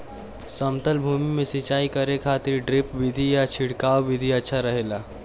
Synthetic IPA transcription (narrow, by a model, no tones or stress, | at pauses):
səmt̪əlbʱumimesit͡ʃaikəɾekʰat̪iɾɖɾipʋid̪ʱijat͡ʃʰiɽkawʋid̪ʱiətːʃʰaɾəɦela